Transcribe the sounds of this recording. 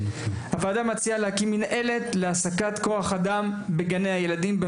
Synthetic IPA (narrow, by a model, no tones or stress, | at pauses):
havaːd̪amat͡sialehakimːinʔe̞le̞t̪leasakat̪ko̞aχad̪ambeɡanejaje̞lad̪imbe